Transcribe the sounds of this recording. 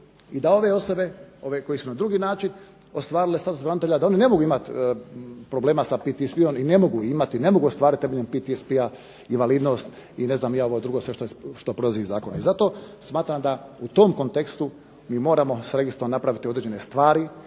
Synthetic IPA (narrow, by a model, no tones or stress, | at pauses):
id̪ao̞ʋe̞o̞so̞be̞o̞ʋeko̞jesunad̪ɾuɡiːnaːt͡ʃin | ost̪ʋaːɾilest̪at̪usbɾanit̪e̞ʎad̪ao̞nine̞mo̞ɡuimat̪ | pɾo̞ble̞ːmasapit̪ispio̞mine̞mo̞ɡuimat̪ine̞moɡuost̪ʋaːɾit̪t̪emeʎempit̪iespia | iʋaliːd̪no̞st̪ | ine̞znaːmijaoʋod̪ɾuɡosʋe̞ʃt̪oeʃt̪opɾod̪ziːzaːkona̰izat̪o̞ːsmaːt̪ɾamd̪aut̪o̞ːmkont̪ekst̪u | miːmo̞ːɾamo̞sɾe̞ɡist̪ɾoʋanapɾaʋit̪iod̪ɾed͡ʒenest̪ʋaːɾi